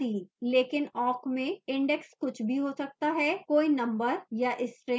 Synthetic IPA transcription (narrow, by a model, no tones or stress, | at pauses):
iːleːkɪnɔːkmẽɪ̃ɳɖɛkskʊt͡ʃʰbʱiɦosɐk̚t̪aɦɛkoːinɐ̃mbəɾjaʔɪsʈɾeː